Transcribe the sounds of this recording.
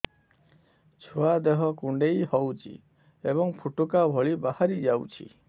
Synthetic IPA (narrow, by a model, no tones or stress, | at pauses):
t͡ʃʰuad̪eɦɔkuɳɖejhɔwt͡ʃʰḭ | ebɔŋpʰuʈukabʱɔɭibahaɾid͡ʒawt͡ʃʰḭ